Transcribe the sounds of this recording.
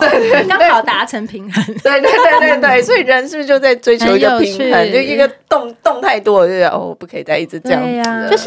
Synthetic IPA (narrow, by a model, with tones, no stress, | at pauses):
t̪we˥˩ɪt̪e˥˩ɑ˥ŋe˥˩ɑ˨˩ʊt̪a˧˥ʈ͡ʂʰə˧˥ŋpʰi˨˧˥ŋxə˧˦nt̪we˥˧ɪt̪we˥˧ɪt̪we˥˧ɪt̪we˥˧ɪt̪we˥˩ɪswɔ˧˥i˨˩ɻə˧˦nʂ̩˥˩˥jo˥˧ʊt͡sa˥˩ɪʈ͡ʂwe˥ɪt͡ɕʰjo˧˥ʊi˧˥ɡə˧pʰi˧˥ŋxə˧˦no˥˩i˧˥ɡə˨t̪ʊ˥˨ŋt̪ʊ˥˧ŋt̪ʰa˥˩ɪt̪wɔ̰˥˧˩o̰˥˩ɔ˨˩pu˥kʰə˧˥i˨˩t͡sa˥˧ɪi˥˩ʈ͡ʂɻ̩˧˥ʈ͡ʂjɑ̰˥˩˥